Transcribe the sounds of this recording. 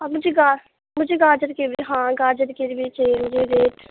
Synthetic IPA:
ɐmʊd͡ʒʱeɡaː | mʊd͡ʒʱeɡaːd͡ʒəɾkebiɦãːɡaːd͡ʒəɾkeɾbit͡ʃemʊd͡ʒeɾeːʈ

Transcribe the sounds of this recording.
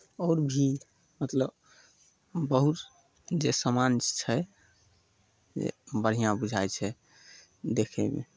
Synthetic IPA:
ɔɾbʱi | mət̪ləb | bəɦut̪ | d͡ʒesəmant͡ʃt͡ʃʰɛ | d͡ʒḛbəɾ̤ijãbud͡ʒʱajt͡ʃʰɛ | d̪ekʰɛ̰mḛ

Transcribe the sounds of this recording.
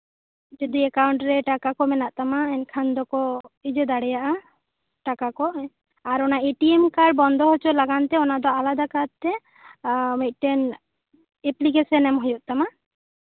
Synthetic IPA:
d͡ʒod̪iɛkawuɳʈɾɛʈakakɔmɛnaʔt̪amaɛnkʰand̪ɔkɔid͡ʒed̪aɽɛjaʔa | ʈakakɔʔ | aɾɔnaeʈiemkaɖ̚bɔnd̪ʱɔɦot͡ʃʰɔlaɡant̪ɛɔnad̪ɔalad̪akadt̪ɛ | met̪̚ʈɛn | eplikesɔnɛmɦojɔʔ̪̚ˀt̪ama

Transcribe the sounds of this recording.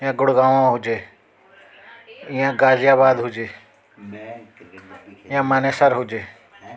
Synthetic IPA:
jãːɡʊɽɡaːʋãɦʊd͡ʒeː | ɪjãːɡaːzɪjaːbaːd̪ɦʊd͡ʒeː | ɪjãːmaːneːsəɾɦʊd͡ʒeː

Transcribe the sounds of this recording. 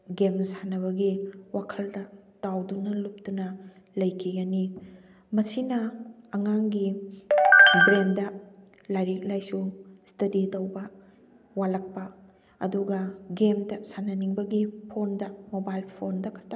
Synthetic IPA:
ɡemsanɐβɐɡiwakʰɐldɐtawdunɐlup̚tunɐ | lɐjkʰiɡɐni | mɐsinɐɐŋaŋɡi | bɾendɐ | lajɾik̚lajsustɐditɐwbɐ | walɐk̚pɐ | ɐ̰duɡɐɡemdɐsanɐniŋbɐɡipʰondɐmobajlpʰondɐkʰɐta

